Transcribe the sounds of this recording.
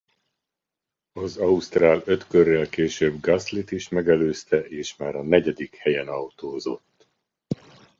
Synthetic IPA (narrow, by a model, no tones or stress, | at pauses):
ɒzɒust̪raːlø̞t̪kørːɛlkeːʃøːbɡɒslit̪iʃmɛɡɛløːst̪ɛʔeːʃmaːɾɒnɛɟɛd̪ikhɛjɛnɒwt̪oːzo̞t̪ː